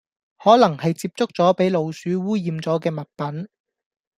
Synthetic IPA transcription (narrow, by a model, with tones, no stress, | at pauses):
hɔː˨˥lɐ˨˩ŋhɐ˨jt͡siː˧p̚t͡sʊ˥k̚t͡sɔː˨˥pe˨˥jlo˨˧wsyː˨˥wuː˥jiː˨˧mt͡sɔː˨˥kɛː˧mɐ˨t̚pɐ˨˥n